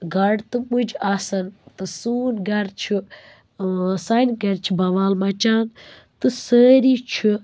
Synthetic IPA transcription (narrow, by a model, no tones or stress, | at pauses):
ɡɐɖt̪ɨmud͡ʒaːsɐnt̪ɨsuːnɡɐɾt͡ʃʰu | saːnɡɐɾt͡ʃʰibɐʋaːlmɐt͡ʃaːn | t̪ɨsəːɾit͡ʃʰu